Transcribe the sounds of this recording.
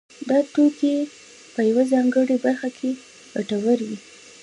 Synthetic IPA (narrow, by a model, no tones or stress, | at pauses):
d̪ɑt̪oke | pəjawazɑŋɡəɽebaɾxakʰe | ɡaʈawəɾwi